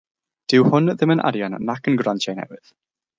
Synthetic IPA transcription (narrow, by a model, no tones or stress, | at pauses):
d̥ɪwhʊnðɪmənʔa̰ɾjanːakʰənɡrantʰajnɛ̰wɨð̥